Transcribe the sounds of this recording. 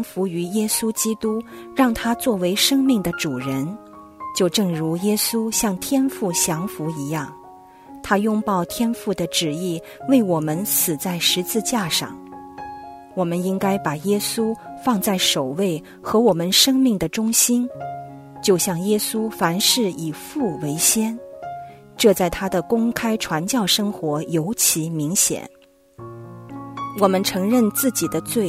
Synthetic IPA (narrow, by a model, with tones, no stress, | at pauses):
ŋfu˧˥y˧˥jɛ˥su˥t͡ɕi˥t̪u˥ɻɑ˥˩ŋt̪ʰa˥t͡swɔ˥˩we˧˥ɪʂɤ˥ŋmi˥˩ŋd̪ə˩ʈ͡ʂu˨˩ɻə˧˥n | t͡ɕjo˥˧ʊʈ͡ʂɤ˥˩ŋɻu˧˥jɛ˥su˥ɕjɑ˥˩ŋt̪ʰjɛ˥nfu˥˩ɕjɑ˧˥ŋfu˧˥i˧˥jɑ˥˩ŋ | t̪ʰa˥jʊ˥˧ŋpɑ˥˩ʊt̪ʰjɛ˥nfu˥˩d̪ə˩ʈ͡ʂɻ̩˨˩i˥˩ | we˥˩ɪwɔ˨˩mə˧˦nsɹ̩˨˩t͡sa˥˩ɪʂɻ̩˧˥t͡sɹ̩˥˧t͡ɕja˥˧ʂɑ̰˥˩ŋ | wɔ˨˩mə˦ni˥ŋka˥ɪpa˨˩jɛ˥su˥fɑ˥˧ŋt͡sa˥˩ɪʂo˨˩ʊwe˥˩ɪ | xɤ˧˥wɔ˨˩mə˦nʂɤ˥ŋmi˥˩ŋd̪ə˩ʈ͡ʂʊ˥ŋɕi˥n | t͡ɕjo˥˧ʊɕjɑ˥˩ŋjɛ˥su˥fa˧˥nʂɻ̩˥˩i˨˩fu˥˩we˧˥ɪɕjɛ˥n | ʈ͡ʂɤ˥˧t͡sa˥˩ɪt̪ʰa˥d̪ə˨kʊ˥ŋkʰa˥ɪʈ͡ʂʰwa˧˥nt͡ɕjɑ˥˩ʊʂɤ˥ŋxwɔ˧˥jo˧˥ʊt͡ɕʰi˧˥mi˧˥ŋɕjɛ̰˨˩˦n | wɔ˨˩mə˦nʈ͡ʂʰɤ˧˥ŋɻə˥˧nt͡sɹ̩˥˩t͡ɕi˨˩d̪ə˦t͡swe˥˩ɪ